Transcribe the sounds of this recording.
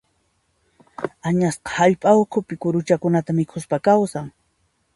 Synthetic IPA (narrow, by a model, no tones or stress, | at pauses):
aɲasqɑ̥haʎpʼaʊkʰʊpɪkʊɾʊt͡ʃakʊnat̪amɪkʰʊspakawsaŋ